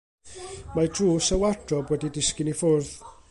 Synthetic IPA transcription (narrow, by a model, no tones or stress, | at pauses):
madruːsəwadrɔbwɛdidɪskɪnifʊrð